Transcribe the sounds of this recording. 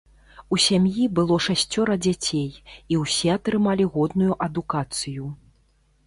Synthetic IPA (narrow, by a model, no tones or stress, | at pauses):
usʲamjibɨlˠɔʂasʲt͡sʲːɔɾɐd͡zʲat͡sʲejiwsʲɛɐt̪ɾɨmalʲiɣɔd̪nujuʔɐd̪ukat̪sɨju